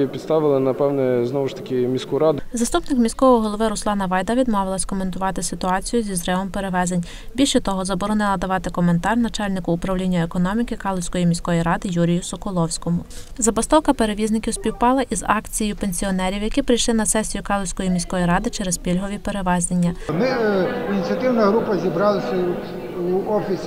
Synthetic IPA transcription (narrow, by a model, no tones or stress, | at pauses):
pʲid̪st̪ɑʋɪlˠɪnɐpɛwnɛznɔʋʊʃt̪ɐ̥kʲɪmʲisʲkuɾɑd̪ʊzɐst̪upnɪkmʲisʲkɔʋɔɦɔlˠɔʋɪɾʊslˠɑnɐʋɑjd̪ɐʋʲid̪mɔʋɪlˠɐsʲkɔment̪ʊʋɑt̪ɪsɪt̪ʊɑt͡sʲijʊzʲizɾɛʋɔmpeɾeʋɛzenʲ | bʲilʲʃɛt̪ɔɦɔzɐbɔɾɔnɪlˠɐd̪ɐʋɑt̪ɪkɔme̞nt̪ɑrnɐt͡ʃɑlʲnɪkʊːpɾɐwlʲinʲːɐekɔnɔmʲikɪkɑlˠɔsʲkɔjimʲisʲkɔjiɾɑd̪ɪjuɾʲijʊsɔkɔlˠɔwsʲkɔmʊzɐbɐst̪ɔwkɐpe̞ɾeʋʲiznɪkʲiwsʲpʲiwpɑlˠɐʔizɑkt͡sʲijjʊpenʲsʲiɔnɛɾʲiwjɐkʲipɾɪjʃlˠɪnɐsɛsʲijʊkɑlˠɔsʲkɔjimʲisʲkɔjiɾɑd̪ɪt͡ʃɛɾezpʲilʲɦɔʋʲipe̞ɾeʋɛznenʲːɐmɪinʲit͡sʲɐt̪ɪwnɐɦɾupɐzʲibɾɑlˠɐsʲɐ | uɔfʲisʲ